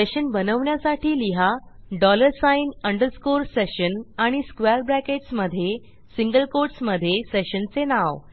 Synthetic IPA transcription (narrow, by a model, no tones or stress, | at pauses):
seɕənbənəʋɳjasaʈiːliɦaɖɔləɾsainəɳɖəɾskoɾseɕənaɽ̃iskʋɛɾbɾækeʈsməd̪ʱːje | siŋɡəlkoɾʈsməd̪ʱːjeseɕənt͡senaʋ